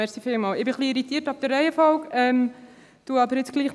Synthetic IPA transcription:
ɛɾχsifɪːlmɑːlɪbɪχliiɾit̪iːɾtɑb̚d̥̪ərːɛɪəfɔlkɛm | t̪uəɑbəɾjɪt͡sɡ̥liːχ

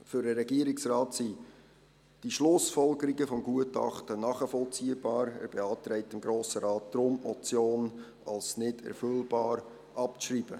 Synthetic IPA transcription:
fʏɾdəɾɛɡiəɾɪksrɑːtsi | d̥iʃlʊsfɔlɡəɾiɡəfɔmɡuətɑ̰χtənɑχəfɔlt͡siəbɑːɾæ̰ːɾb̥eɑːtɾɛɪtɪmɡɾoːsəɾɑːt̚d̪̥ɾʊmɔt͡sjoːn | ɑlsnɪdɛ̰ɾfølbɑːɾ | ʔɑp̚t͡sʃriːb̥ə

